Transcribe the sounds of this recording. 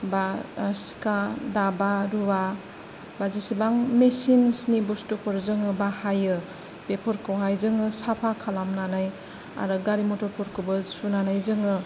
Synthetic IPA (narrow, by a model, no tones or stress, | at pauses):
basi̥kadabaɾuwa | bazisibaŋmesinsnibustupʰɔɾzɯŋɯbahajɯ | pepʰɔɾkʰowɦajzɯŋɯsapʰakʰalamnanaj | a̰ɾɯɡaɾimɔtɔɾpʰɔɾkʰobɯsunanajzɯŋɯ